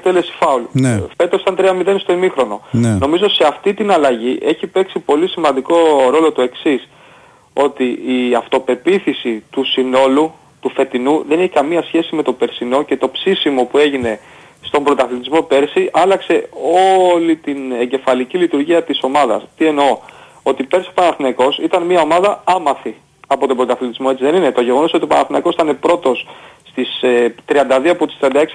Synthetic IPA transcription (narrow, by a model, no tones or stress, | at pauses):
kt̪elesi̥fɐulnfe̞t̪osɐnt̪ɾiɐmiðe̞nst̪o̞imixɾo̞no̞nno̞mizose̞ɐft̪it̪inɐlɐʝiʔe̞çipe̞ksipo̞lisimɐnd̪iko̞ɾo̞lo̞t̪ue̞ksis | o̞t̪iiɐft̪o̞pe̞piθisit̪usino̞lu | t̪ufe̞t̪inuðe̞niçikɐmiɐsçe̞sime̞t̪o̞pe̞ɾsino̞ce̞t̪o̞psisimo̞pue̞ʝine̞ | st̪o̞mbɾot̪ɐθlit̪izmo̞pe̞ɾsiʔɐlɐkse̞o̞lit̪ineɲɟe̞fɐlicilit̪uɾʝiɐt̪iso̞mɐðɐ̰st̪ie̞noo | o̞t̪ipe̞ɾsiopɐnɐθnɐko̞sit̪ɐnmiɐo̞mɐðɐɐmɐθi | ɐpo̞t̪o̞mbɾot̪ɐθlit̪izmo̞e̞t͡siðe̞nine̞t̪o̞ʝe̞ɣo̞nosot̪iopɐnɐθnɐko̞sit̪ɐnepɾo̞t̪o̞sː | t̪ist̪ɾiɐnd̪ɐðioɐpo̞t̪i̥st̪ɾiɐnd̪ɐeks